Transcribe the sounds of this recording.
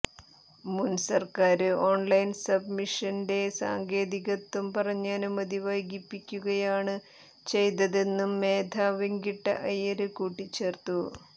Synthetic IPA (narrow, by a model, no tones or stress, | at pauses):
munsɐrkaːɾɨo̞ːnlɐjnsɐbmiʂɐnde̞sa̰ːŋɡe̞ːd̪iɣɐt̪ːumpɐrɐɲːaːnɨmɐd̪iʋɐjɡipːikʲːuɣɐjaːɳɨ | t͡ɕe̞jt̪ɐðenːumːe̞ːd̪ʱaːʋiŋɡiʈːɐ̰ʔɐjɐɾɨkuːʈːit͡ɕːe̞ːrt̪u